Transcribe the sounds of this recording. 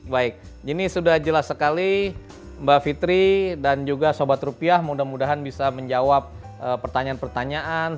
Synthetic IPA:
baɪk̚ | d͡ʒinisudahd͡ʒəlasːəkali | mbafit̪ɾidand͡ʒuɡasobat̪rupiahmudahmudaɦanbisaməɲd͡ʒawap̚ | ʔəpːərt̪aɲaːnpərt̪aɲaʔan

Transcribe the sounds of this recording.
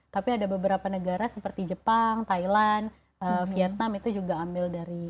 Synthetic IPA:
t̪apiadabəbəɾapanəɡaɾasəpərt̪id͡ʒəpaŋt̪ailan | əffiɛt̪̚namit̪ud͡ʒuɡaːmbɪldaɾi

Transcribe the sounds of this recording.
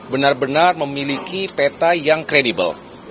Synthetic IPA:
bənarbənarməmilikipet̪ajaŋkɾedibə̰l

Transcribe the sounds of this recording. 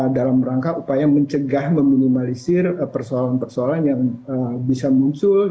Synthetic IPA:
dalamɾaŋkaʔupajaməɲt͡ʃəɡahməminimalisɪrpərsoalanpərsoalanjaŋəbisamuɲt͡ʃʊl

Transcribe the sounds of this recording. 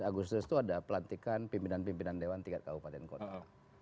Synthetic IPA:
aɡust̪ust̪uadapəlant̪ikanpimpinanpimpinandewant̪iŋɡat̪̚kabupat̪ɛnkot̪a

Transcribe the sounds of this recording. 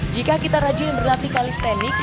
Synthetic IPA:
d͡ʒikakit̪aɾad͡ʒimbərlat̪ikalist̪ɛnɪks

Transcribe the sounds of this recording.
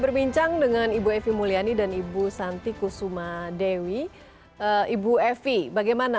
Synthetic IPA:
bərbiɲt͡ʃaŋdəŋanibuɛfimulianidanibusant̪ikusumadewi | əibuɛfibaɡajmana

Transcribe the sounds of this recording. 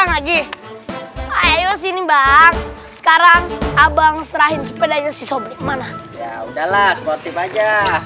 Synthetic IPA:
aŋlaɡi | aajɔs̬inibaŋsə̥kaɾaŋabaŋst̪ɾaɦɪnsupedad͡ʒasisɔbɔkmanajaudahlasmɔt̪imad͡ʒa

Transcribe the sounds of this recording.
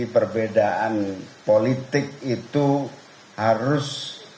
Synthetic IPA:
ipərbedaʔanpolit̪ɪk̚it̪u | haɾʊs

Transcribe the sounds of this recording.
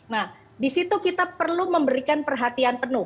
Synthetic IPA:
nah | disit̪ukit̪apərluməmbəɾikanpərɦat̪ianpənʊh

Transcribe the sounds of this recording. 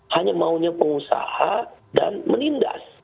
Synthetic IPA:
haɲamauɲapəŋusa̰hada̰nməninda̰s

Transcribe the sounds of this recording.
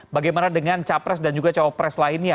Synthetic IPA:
baɡajmanadəŋant͡ʃapɾɛsdand͡ʒuɡat͡ʃawapɾɛslainja

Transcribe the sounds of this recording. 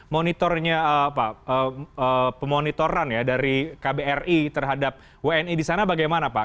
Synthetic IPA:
monit̪ɔrɲapaəəpəmonit̪oɾanjadaɾikabeɛrit̪ərɦadap̚ | weɛnidisanabaɡajmanapa

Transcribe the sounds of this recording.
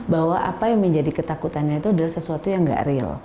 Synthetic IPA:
bahwaʔa̰pajaŋməɲd͡ʒadikət̪akut̪anɲait̪uadalahsəsuat̪ujaŋɡa̰ʔrɪl

